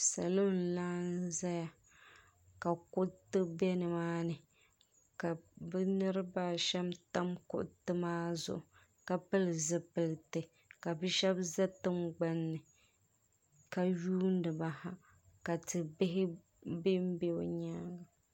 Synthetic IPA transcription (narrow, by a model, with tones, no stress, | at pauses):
sa˨lo˦n̩˨laː˦n˦za˦ja˨ | ka˨kʊ˦ʔtɨ˦bɛ˦nɨ˨maː˦nɨ˨ | ka˨bɛ˦nɨ˦ɾɨ˦baː˦ʃɛ˦mta˦mkʊ̰˨ʔtɨ˦maː˦zʊ̰˨ʔʊ˨ | ka˨pɨ˦lɨ˨zɨ˦pɨ˨lɨ˨tɨ˨ | ka˨bɨ˦ʃɛ˦bza˦tɨ˦mɡ͡ba˦nːɨ˨ | ka˨juː˦n˦dɨ˨ba˨ha˦˨ | ka˨tɨ˨bɪ˦ɦɪ˦ | bɪ˦m˦be˦o˦˨ɲaː˦ɡa˨